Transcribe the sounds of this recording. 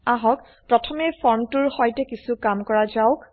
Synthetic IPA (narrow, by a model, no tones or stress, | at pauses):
aɦɔk | pɹɔtʰɔmɛfʰɔɹmtʊɹxɔjtɛkisukamkɔɹazaʊk